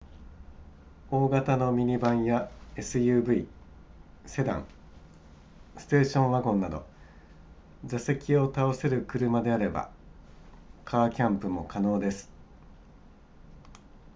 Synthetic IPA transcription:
o̞ːɡat̪ano̞mʲiɲ̟ibãɰ̃jae̞sɨjɯːbɯ̟i | se̞d̪ã̰ŋ | sɨ̥t̪e̞ːɕõ̞ɰ̃βaɡõ̞nːad̪o̞̰ | zase̞kʲio̞t̪ao̞se̞ɾɯ̟kɯ̟ɾɯ̟mad̪e̞aɾe̞ba̰ | kʰaːkʲãmpɯ̟mo̞kano̞ːd̪e̞sɨ̥

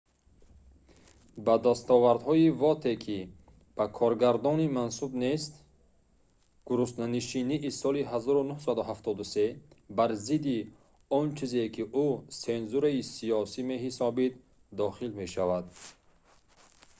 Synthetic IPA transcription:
bad̪ast̪ɔvaɾd̪hɔivɔt̪ʰe̞kʰi | b̥akʰɔɾɡaɾd̪ɔnimansubne̞st̪ | ɡ̥uɾust̪naniʃiniʔisɔliɦazɔɾunuhsad̪uɦaft̪ʰɔd̪use̞baɾzid̪i | ɔnt͡ʃʰize̞kʰiʔuse̞nzuɾaisiɔsime̞ɦisɔbid̪ | d̪ɔχilme̞ʃavad̪

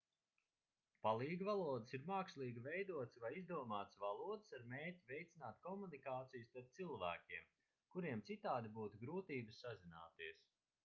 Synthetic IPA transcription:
palˠiːɡvalˠuɔd̪ɨsiɾmaːkslˠiːɡivɛjd̪uɔt̪svajizd̪uɔmaːt̪svalˠuɔd̪ɪsaɾmeːtʲivʲɛjt̪sinaːt̪kɔmunikaːt̪sijust̪aɾp̚t̪silˠvæ̰ːkʲiɛm | kuɾiɛmt̪sit̪aːd̪ibuːt̪uɡɾuːt̪iːbəssazina̰ːt̪iɛəs

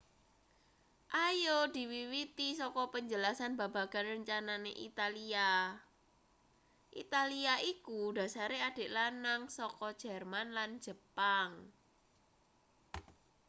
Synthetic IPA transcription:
ʔajod̥i̤wiwit̪isɔkɔpəɲd͡ʒəlasanba̤ba̤ɡ̥a̤nrəɲt͡ʃananeʔit̪alia | ʔḭt̪aliaʔikud̥a̤saɾead̥e̤ʔlanaŋsɔkɔd̥ʒ̥ɛ̤rmanland͡ʒ̥ə̤paŋ

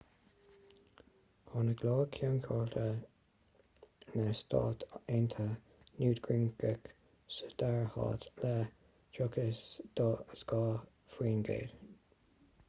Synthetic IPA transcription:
hɔnəɡloːkʰjuːnkʰɔːlt̪ʰə | nəst̪ʰɑ̰ːt̪ent̪ʰə | nuːd̪ɡɹɪŋɡək | səd̪̥aɹhɑ̰ːt̪lɛ | d͡ʒʊkʰəsd̪̥oːəsɡ̥ɑː | fɹiːnɡḛːd

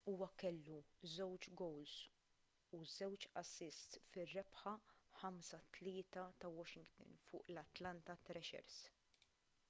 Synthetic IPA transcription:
uːwɐkɛlːuzɛwt͡ʃɡɔwls | uzɛwt͡ʃɐsɪst̪fɪrːɛpħɐħɐmsɐt̪lɪːt̪ɐt̪ɐwɔʃɪŋɡt̪ɪ̰nfʊ̰ːʔlɐt̪lɐnt̪ɐt̪ɾɛʃɛ̰ɾs

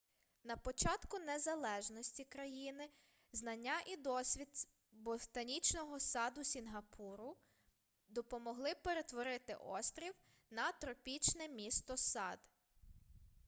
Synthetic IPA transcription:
nɐpɔt͡ʃɑt̪kʊnezɐlˠɛʒnɔsʲtʲikɾɐjinɪ | znɐnʲːaʔid̪ɔsʲʋʲid̪ | bɔt̪ɐnʲit͡ʃnɔɦɔsɑd̪ʊsʲinɦɐpʰuɾʊ | d̪ɔpɔmɔɦlˠɪpeɾe̞t̪ʋɔɾɪt̪ɪ̰ʔɔ̰st̪ɾʲiw | nɐt̪ɾɔpʲit͡ʃnɛmʲist̪ɔsɑd̪̥

